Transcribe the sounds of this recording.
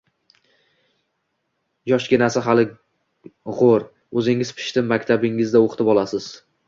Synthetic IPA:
jɒʃɡʲɪnasɪɦalɪ | ʁoɾ | ɵzɪŋɪzpʰɪ̥ʃt̪ʰɪmːakʲt̪ʰabɪŋɪzd̪aoqʰt̪ʰɪpɒlˠasɪz̥

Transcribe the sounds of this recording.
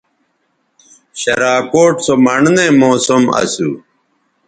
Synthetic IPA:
ɕɐɾaːkoːʈsomɐɳnemoːsumɐ̰sṵ

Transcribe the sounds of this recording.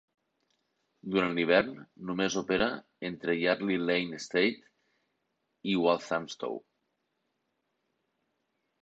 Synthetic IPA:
d̪uɾanliβ̞ɛɾnːumezopeɾa | ent̪ɾejaɾlilejnest̪ejt̪ | iwalˠθamst̪o̰w

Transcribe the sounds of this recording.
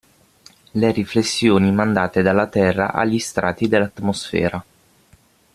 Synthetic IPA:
leɾiflesːjoːnimand̪aːt̪ed̪alːat̪ɛrːa̰ʔa̰ʎːist̪ɾʔa̰ːt̪ːid̪elːat̪mosfɛ̰ːɾa

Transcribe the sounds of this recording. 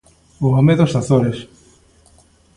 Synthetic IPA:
oameðost̪aθoɾes

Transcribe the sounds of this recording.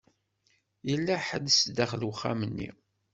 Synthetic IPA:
jəlːæħəd̪əsd̪æχlwχːa̰mənːḭ

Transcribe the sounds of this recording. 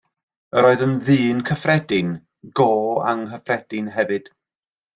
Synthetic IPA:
əɾoːɨðənðɨːnkʰəfrɛdɪn | ɡoːa̰ŋɦəfrɛd̥ɪnɦɛvɨd̥

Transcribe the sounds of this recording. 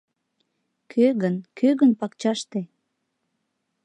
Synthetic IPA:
kʰøɣənkʰøɣənpɑkt͡ɕɑʃt̪e

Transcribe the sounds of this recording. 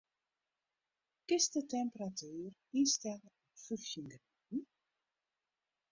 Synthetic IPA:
kɪstətɛmpəratʰyːrinstɛləɔfyxjəŋɡritn̩

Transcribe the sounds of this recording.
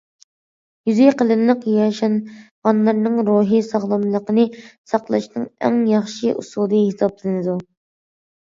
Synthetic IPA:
jyzyjqəlˠɨnlˠəqjɑʃɑnʁɑnlˠɑɾnɨŋɾoɦisɑʁlˠɑmlˠəqənɨsɑqlˠɨʃnɨŋæ̰ŋjɑχʃiʔṵsud̪ɨhisɑplˠɨnɨd̪u

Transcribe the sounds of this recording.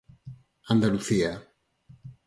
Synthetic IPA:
and̪aluθia

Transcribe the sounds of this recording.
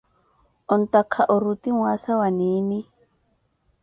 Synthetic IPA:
ɔn̩t̪akʰaʔɔɾut̪iŋwasawaniːni

